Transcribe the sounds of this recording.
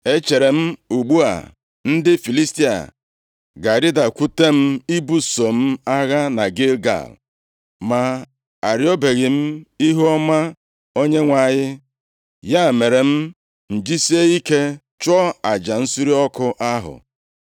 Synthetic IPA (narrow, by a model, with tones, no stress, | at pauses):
e˦t͡ʃe˨ɾe˨m̩˦u˨ɡ͡bu˦a̰˨ | n̩˦dɪ˦fi˨li˦sti˦a̰˨ | ɡa˨ɾɪ˦da˨kʷu˦te˦m̩˦i˦bu˦so˨m̩˦a˦ɣa˦na˨ɡe˦lɡa̰˨l | ma˨ | a˨ɾi˦o˦be˨ɣɪ˨m̩˦i˦ɦu˦ɔ˦ma˦ | o˦ɲe˦ŋʷa˨ɲɪ˦ | ja˦˨me˨ɾe˨m̩˦ | n̩˨d͡ʒi˦si˦e˦i˦ke˦ | t͡ʃɔ˦a˨d͡ʒa˨n̩˦su˦ɾi˦ɔ˦kʊ˦ʔa˦ɦʊ̰˨